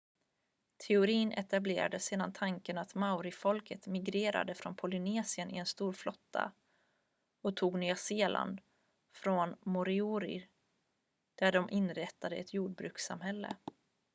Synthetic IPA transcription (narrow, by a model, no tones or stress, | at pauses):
t̪ʰɛʊɾiːnʔɛ̰t̪ablḛːɾad̪əseːd̪ant̪ʰaŋkənat̪maʊɾɪfɔlkət̪mɪɡɾeːɾa̰d̪əfɾɔnpʰɔlɪneːsɪənʔɪ̰ɛnst̪uːɾflɔt̪ʰːa̰ | ɔt̪ʰuːɡnyaseːlʔa̰nd̪ | fɾɔnmɔɾɪuːɾɪ̰ | d̪̥æɖɔmʔɪnɾɛt̪ːad̪əɛ̰t̪ʰjuːɖ̚bɾʉ̟̰ːksa̰mɦɛlːə̰